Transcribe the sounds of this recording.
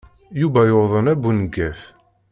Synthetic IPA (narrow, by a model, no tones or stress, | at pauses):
juvæjoðˤənæbunɡːæθ